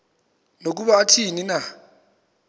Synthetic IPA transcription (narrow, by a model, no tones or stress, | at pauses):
nok̬uɓaːtʰinina